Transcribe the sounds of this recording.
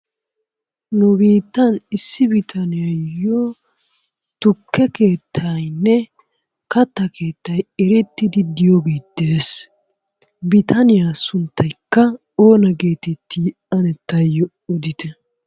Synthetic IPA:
nʊbiːt̪ːɐnɪsːɪbɪt̪ʰɐnɪjɐjjo | t̪ʊkʰːɛkeːt̪ʰːɐjnːɛ | kɐt̪ːɐke̞ːt̪ːɐjɛɾɛt̪ːɪd̪ɪd̪ɪjoɡeːt̪ːeːs | bɪt̪ʰɐnɪjasʊnt̪ːɐjkːɐ | oːnɐɡeːt̪ɛt̪ːiʔɐnɛt̪ːɐjːɔ | ɔd̪ɪt̪ɛ

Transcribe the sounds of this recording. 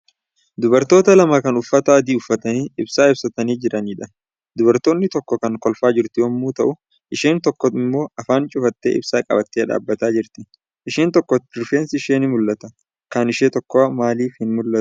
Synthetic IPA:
d̪ʊbɐɾt̪o̞ːt̪ɐlɐmakɐnʊfːɐt̪ɐɐd̪iːʊfːɐt̪ɐniːɪbsaːɪbsɐt̪ɐniːd͡ʒɪɾɐniːᶑɐ | d̪ʊbɐɾt̪o̞ːnːɪt̪ɔkːɔkɐŋkɔlfaːd͡ʒɪɾt̪ɪwɐmːuːt̪ɐʔʊ | ʔɪʃeːnt̪ɔkːɔɪmːo̞ːɐfaːnt͡ʃʼʊfɐt̪ːḛːʔɪ̰bsaːkʼɐ̰bɐt̪ːeːᶑa̰ːbːɐt̪aːd͡ʒɪɾt̪ɪ | ʔɪʃeːnt̪ɔkːɔtɪɾfeːnsɪɪʃeːnɪmʊlːɐt̪ɐ | kɐnɪʃeːt̪ɔkːomaːliːfhɪnmʊlːɐ

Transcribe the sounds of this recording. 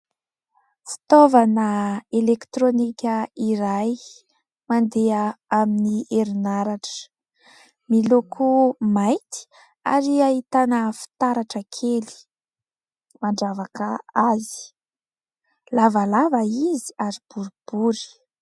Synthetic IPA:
fi̥t̪ovanəelekt̪ɾonikʲəiɾaj | mand̪eaaminiʔeɾinaɾaʈ͡ʂə̥ | milokʰumajt̪i̥ | a̰ɾiaɦit̪anəfi̥t̪aɾaʈ͡ʂəkʰeli̥ | maɳɖ͡ʐavakəazi̥ | lavalavaizi̥aɾib̥uɾib̥uɾi̥

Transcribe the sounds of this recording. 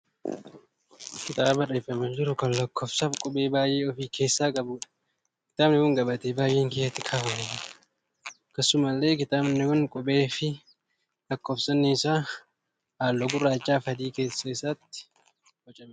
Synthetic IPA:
kɪt̪ʼaːbɐreːfɐmɐnd͡ʒɪɾʊkɐnlɐkːofsɐbkʼɔbʼe̞ːbaːjʔeːɔfiːke̞ːsːaːkʼɐbʊᶑɐ̥ | kɪ̥t̪ʼaːbnɪkʊŋɡɐbɐt̪eːbaːjʔeːŋkeːɐt̪ːɪkʰaːwɐnɛ | kɐsːʊmɐlːe̞ːkɪt̪ʼaːbnɪkʊnkʼɔbʼeːfɪ | lɐkːoːfsɐnːɪːsaː | haːlːɔɡʊrːaːt͡ʃʼːaːfɐd̪iːke̞ːsːɐɪsaːt̪ːɪ̥ | wɔt͡ʃʼɐm

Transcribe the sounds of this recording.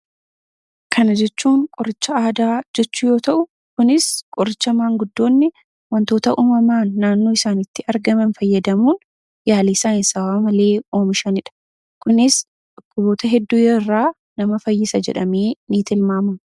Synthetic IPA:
kʰɐnɐd͡ʒɛt͡ʃːuːŋkʼɔɾɪt͡ʃːɐaːd̪aːd͡ʒɛt͡ʃːuːjo̞ːt̪ɐʔʊ | kʊnɪskʼɔɾɪt͡ʃːɐmaːŋɡʊd̪ːo̞ːnːɪ | wɐnt̪o̞ːt̪ɐʔuːmɐmaːnːaːnːo̞ːɪsaːnɪt̪ːɪɐɾɡɐmɐnfɐjːɐd̪ɐmuːn | jaːliːsaːnɪsɐwaːmɐle̞ːo̞ːmɪʃɐnɪᶑɐ̥ | kʊnɪs | ᶑɔkːʊbo̞ːt̪ɐɦɛd̪ːujɛrːaː | nɐmɐfɐjːɪsɐd͡ʒɛ̰ᶑɐmeːniːt̪ɪlmaːmɐm

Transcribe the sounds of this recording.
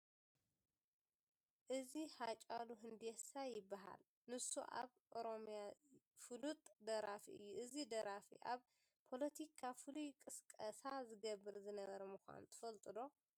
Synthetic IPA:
ʔɨzihat͡ʃʼaluɦɨnd̪esajɪbːaɦa̰l | nɨsṵʔa̰βʔoɾo̞mja | fɨlut̪ʼd̪ɐɾafḭʔɨ̰jːuʔɨzid̪ɐɾafḭʔaβ | pʰo̞lɐt̪ʰikʰafɨlujkʼɨskʼɐsazɨɡɐβːɨɾzɨnɐβɐɾɐmɨxʷa̰nt̪ʰɨ̥fɐlt̪ʼɨd̪o̞

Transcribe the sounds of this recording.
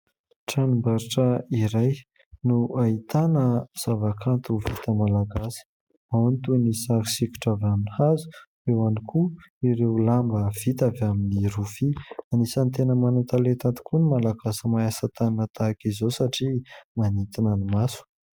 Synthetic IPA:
ʈ͡ʂanumbaɾiʈ͡ʂəiɾaj | nuʔait̪anəz̥avakʰant̪uvit̪əmalaɡasi̥ | maant̪unisaki̥siku̥ʈ͡ʂavaminihazu̥rewanikʰu | iɾewlambəv̥it̪avaminiɾufianisant̪enəmanat̪alet̪ant̪i̥kunimalaɡasəmajasat̪anət̪akizosaʈ͡ʂimanit̪inənimasu̥

